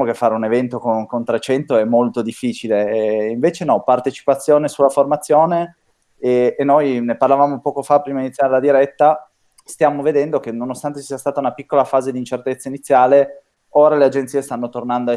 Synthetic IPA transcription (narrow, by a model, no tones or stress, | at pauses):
mokefːaːɾeunevɛnt̪okonkont̪ɾet͡ʃɛnt̪oɛmːolt̪od̪ifːiːt͡ʃileiɱveːt͡ʃenɔpart̪et͡ʃi̥pat̪sːjoːnesulːaformat̪sːjoːne | nːojneparlavaːmopɔːkofapːɾiːmainit̪sjaːɾelad̪iɾɛt̪ːa | st̪jaːmoved̪ɛnd̪ok̟enonost̪ant̪esiast̪aːt̪aunapikːolafaːzed̪int͡ʃert̪et̪sːainit̪sːjaːle | oːɾalead͡ʒeniːest̪anːot̪ornand̪o